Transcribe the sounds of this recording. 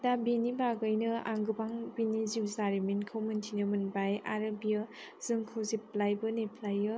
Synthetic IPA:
dabinibaɡɯjnɯa̰ŋɡɯbaŋbiniziwzaɾiminkʰɯwmɯntʰinɯmɯnbajʔaɾabijaz̥ɯŋkʰɯwzip̚lajbɯnepʰlajɯ

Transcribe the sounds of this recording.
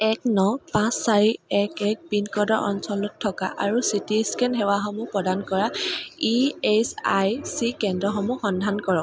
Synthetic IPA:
ɛk̚nɔpãsːaɹiɛkɛk̚binkɔdɔɹʔɔ̰nsɔlɔtʰːɔka̰ʔaɹusitiskɛnɦɛwaxɔmupɹɔdankɔɹaiesajsikɛndɹɔxɔmuxɔndʱankɔɹɔk

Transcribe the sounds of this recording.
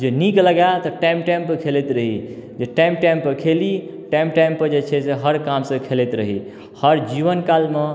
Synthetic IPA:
d͡ʒenikləɡat̪əʈamʈɛmpkʰelet̪ɾəɦḭd͡ʒeʈajmpʈɛmpəkʰeliʈamʈajmpd͡ʒet͡ʃʰɛseɦəɾkamsə̃kʰelet̪ɾəɦḭ | həɾd͡ʒiʋənkalme

